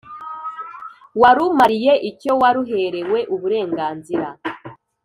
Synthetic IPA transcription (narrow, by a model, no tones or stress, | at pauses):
waɾumaɾije̞ʔico̞waɾuɦe̞ɾe̞we̞ʔuβuɾe̞ːŋɡaːnziɾa